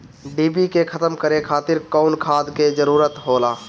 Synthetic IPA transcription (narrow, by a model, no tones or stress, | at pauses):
ɖiːbikekʰət̪əmkəɾekʰaːt̪ɪɾkɔːʊnkʰaːd̪ked͡ʒəɾuːɾət̪ɦoːlaː